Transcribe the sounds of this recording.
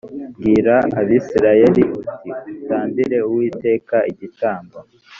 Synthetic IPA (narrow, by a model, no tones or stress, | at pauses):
bɡiːɾaaβisiɾaje̞ɾiʔutʰiutaːndiɾe̞uwiːte̞ːkaʔiɟitaːmba